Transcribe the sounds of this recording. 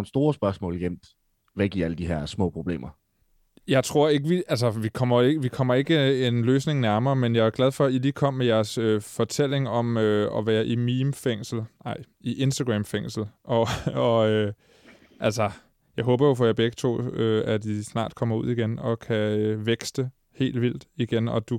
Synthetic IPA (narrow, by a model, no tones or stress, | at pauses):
nsd̥o̝ːɐsb̥ɶɐsmɔ̰̽ːlɡ̥jem̰d̥ | ʋæɡ̥iɐæləd̥iɦɛɐ̰smɔ̰̽ːpʰʁob̥le̝̰ːmɐ | jɑ̈ɪt͡sʰʁo̝ɐ̰e̝ɡ̥əʋiæls̬ɐʋikʰɒ̽m̰ɐeɡ̥əʋikʰɒ̽m̰ɐe̝ɡ̥əenløːsne̝ŋnæɐmɐːmenjɑ̈ɪæɐɡ̥læð̞ˠfɒ̽iliːkʰɒ̽m̰ːmejæɐsøfɒ̽t͡sʰel̰e̝ŋɒ̽møɒ̽ʋæːɐʔimiːmfeŋ̰sl̩nɑ̈ɪ̰ | iʔe̝nsd̥æɡ̥ʁɛːmfeŋ̰sl̩ʔɒɒ̽ø | ʔælsɐ | jɑ̈ɪɦɔ̽ːb̥ɐjo̝fɒjɑ̈b̥eɡ̥ə̥t͡sʰo̝̰ːøæd̥isnɑ̰̈ːd̥kʰɒ̽m̰ɐuð̰ˠiɡ̥enɒ̽kʰæøʋeɡ̥sd̥ə | he̝̰ːld̥ʋil̰d̥iɡ̥enɒ̽d̥u